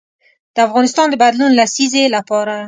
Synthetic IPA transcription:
d̪̥əafɣɑnɪst̪ɑnd̪əbad̪lunlasizelapɑɾa

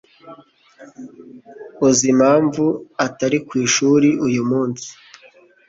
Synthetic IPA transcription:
uzimhaːɱvuataɾikwiːʃuːɾiʔujumuːnsi̥

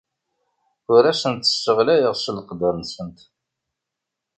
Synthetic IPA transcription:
ʊɾæsənt̪ə̥ʃəʁlæjəʁʃəlqəd̪əɾnsənt̪

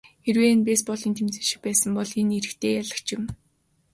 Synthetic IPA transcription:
erweːnpespɔɮĭːnt̪ʰemt͡sɘ̆ʃɪ̥̆k̚pæːsə̆mpɔɮineɾɘ̆xt̪ʰeːjaɮə̆kt͡ɕɪ̆m

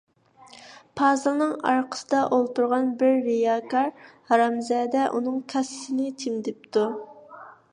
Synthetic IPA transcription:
pʰɑːzɨlˠnɨŋɑ̰ɾqʰə̥səd̪ɑʔolˠt̪uɾʁɑnbɪɾːijɑkʰɑɾhɑɾɑmzɛːd̪ɛʔunɨŋkʲʰɛsɪnɪt̪ʰɪmd̪ɪp̚t̪u

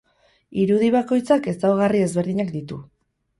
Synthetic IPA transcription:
iɾuðiβako̞jt͡sake̞sawɣ̞arie̞zβe̞ɾðiɲakd̪it̪ṵ

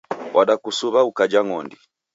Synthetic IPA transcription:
wʔaɗakusuβaukad͡ʒaŋɔndi

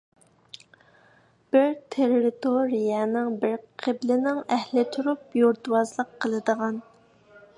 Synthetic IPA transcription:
b̥ɪɾt̪ʰeɾːɪt̪ʰoɾijɛnɪŋbɪɾqʰəblɪnɪŋɛhlɪt̪ʰuɾup̚joɾt̪wɑzlˠəqʰːəlˠɨd̪əʁɑn

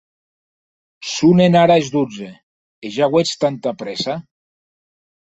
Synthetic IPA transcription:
sunenaɾaezd̪ud͡ze | eʒaɣwet͡st̪ant̪apɾesa

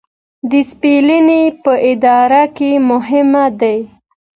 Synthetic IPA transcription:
d̪əspelinepəʔɪd̪ɑɾakemʊɦɪmad̪aj

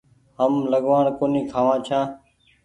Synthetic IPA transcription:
ɦəmləɠʋaːɳkoːniːkʰaːʋãːt͡ʃʰãː

